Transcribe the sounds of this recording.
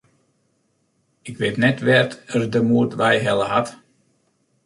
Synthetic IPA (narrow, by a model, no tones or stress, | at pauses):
ɪkʋɪtnɛtʋɛrtərdəmuərtʋɛjɦɛlˠəɦat